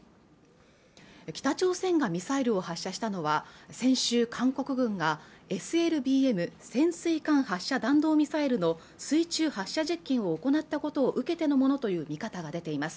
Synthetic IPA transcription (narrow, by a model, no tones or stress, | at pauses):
kʲi̥t̪at͡ɕo̞ːsẽ̞ŋɡamʲisaiɾɯ̟o̞haɕːaɕi̥t̪ano̞βasẽ̞ɰ̃ɕɨːkʰãŋko̞kɯ̟ɡɯ̟̃ŋɡae̞sɨe̞ɾɯ̟bʲiːe̞mɯ̟sẽ̞ɰ̃sɨikãɰ̃haɕːad̪ãnd̪o̞ːmʲisaiɾɯ̟no̞ | sɨit͡ɕɨːhaɕːaʑikʲːĩɰ̃o̞ːko̞nat̪ːako̞t̪o̞ːʔɯ̟ke̞t̪e̞no̞mo̞no̞t̪o̞jɯ̟ːmʲikat̪aɡad̪e̞t̪e̞imasɨ̥